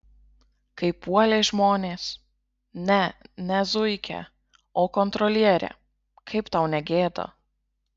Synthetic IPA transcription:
kɐɪpuɔlʲeːʒmoːnʲeːs | nʲɛnʲɛzʊɪkʲɛ̰ | oːkɔnt̪ɾɔlʲiɛɾʲɛ̰ː | kʰɐɪpt̪ɐʊnʲɛɡʲeːd̪o̰ː

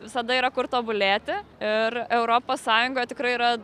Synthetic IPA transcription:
ʋʲɪsɐd̪ɐiːɾɐkʊɾt̪oːbʊlʲæːt̪ʲɪɪɾɛʊɾoːpoːssɑːjʊŋɡoːjɛt̪ʲɪkɾɐɪiɾɐ

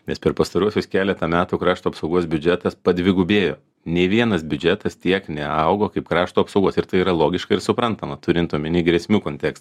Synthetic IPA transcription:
nʲɛspʲɛɾpɐst̪ɐɾuɔsʲʊskʲæːlʲɛt̪ɐmʲæːt̪uːkɾɑːʃt̪uɐpsɐʊɡuɔs̬bʲʊd͡ʒʲɛt̪ɐspɐd̪ʲʋʲɪɡʊbʲeːjo̰ː | nʲeʋʲiɛnɐsbʲʊd͡ʒʲɛt̪ɐst̪ʲiɛknʲɛɐʊɡoːkɐɪpkɾɑːʃt̪uːɐpsɐʊɡuːsɪɾt̪ɐɪiːɾɐlˠoːɡʲɪʃkɐɪɾsʊpɾɐnt̪ɐmɐt̪ʊɾʲɪnt̪uɔmʲɪnʲiːɡɾʲɛsʲmʲuːkoːnʲt̪ʲɛkst̪

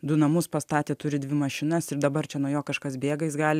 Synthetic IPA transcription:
d̪ʊnɐmʊspɐst̪ɑːt̪ʲeːt̪ʊɾʲɪd̪ʲʋʲɪmɐʃʲɪnɐsɪɾd̪ɐbɐrt͡ʃʲɛnuːjoːkɐʃkɐsbʲeːɡɐɪsɡɑːlʲɪ

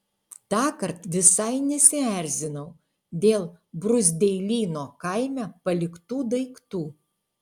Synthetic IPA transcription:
t̪ɑːkɐɾt̪ʋʲɪsɐɪnʲɛsʲɪæˑɾʲzʲɪnɐʊ | d̪ʲeːlˠbɾʊzʲd̪ʲɛɪlʲiːnoːkɐɪmʲæpɐlʲɪkt̪uːd̪ɐɪkt̪uː

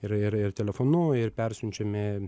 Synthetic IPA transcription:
ɪɾɪɾɪrt̪ʲɛlʲɛfonʊɪrpʲɛɾʲsʲʊnʲt͡ʃʲɛmʲɛ

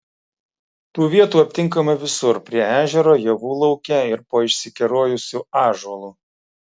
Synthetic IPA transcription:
t̪uːʋʲiɛt̪uːɐpʲt̪ʲɪŋkɐmɐʋʲɪsʊɾpʲɾʲiɛæːʒʲɛɾoːjɛʋuːlˠɒʊkʲɛɪɾpoːɪʃʲsʲɪkʲɛɾoːjʊsʲuːɑːʒɔlˠuː

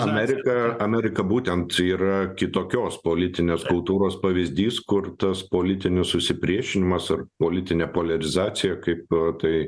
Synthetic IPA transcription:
ɐmʲæɾʲɪkɐɐmʲæːɾʲɪkɐbuːt̪ʲɛnt̪iːɾɐkʲɪt̪oːkʲoːspoːlʲɪt̪ʲɪnʲeːskʊlˠt̪uːɾoːspɐʋʲɪzʲd̪ʲiːskʊrt̪ɐspoːlʲɪt̪ʲɪnʲɪssʊʃʲsʲɪpʲɾʲiɛʃʲɪnʲɪmɐsɐrpoːlʲɪt̪ʲɪnʲeːpoːlʲɛɾʲɪzɑːt͡s̪ʲɪjɛkɐɪpt̪ɐɪ

